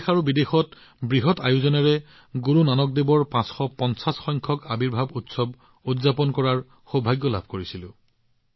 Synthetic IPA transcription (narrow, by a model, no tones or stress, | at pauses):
xaɹubidexɔt | bɹiɦɔtajuzɔnaɹɛ | ɡuɹunanɔk̚debɔɹpãsxɔpɔnsasxɔjŋkʰɔkabiɹbʱabutsɔb | utzapɔnkɔɹaɹ | xobʱajɡjɔlabʱkoɹisilʊ̃